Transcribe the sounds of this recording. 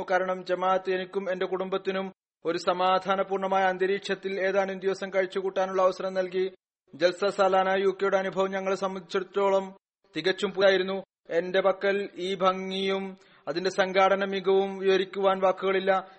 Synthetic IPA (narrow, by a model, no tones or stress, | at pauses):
ukaːɾɐɳɐmd͡ʑemaːt̪ːenikʲːume̞nde̞kuɽumbɐt̪ːinum | o̞ɾusɐmaːd̪ʱaːnɐpuːrɳɐmaːjɐɐnd̪ɐɾiːkʂjɐt̪ːile̞ːðaːnund̪jiʋɐsɐmkɐɻit͡ɕːukuːʈːaːnuɭːɐːʋɐsɐɾɐmnɐlk̬i | d͡ʑelsɐsaːlaːnaːjuːkːjejuɽeɐnubʱɐʋɐmɲɐŋːɐɭesɐmːɐnd̪it͡ɕːɐɽt̪ːo̞ːɭɐm | t̪iɣɐt͡ɕːumpuaːjiɾunːu | e̞nde̞bɐkːɐliːbʱɐŋːijum | ɐðinde̞sɐŋɡʱaːɽɐnɐmiɡʱɐʋumʋiʋɐɾikʲːuʋaːnʋaːkːuɣɐɭilːɐ